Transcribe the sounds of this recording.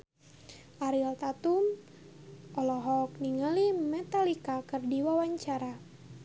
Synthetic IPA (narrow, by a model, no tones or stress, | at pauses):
ʔaɾilt̪at̪um | ʔɔlɔɦɔk̚niŋəlimɛt̪alikakɨrdiwawaɲt͡ʃaɾa